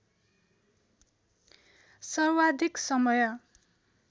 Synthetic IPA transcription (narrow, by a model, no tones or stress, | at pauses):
sʌrwad̪ʱiksʌmʌjʌ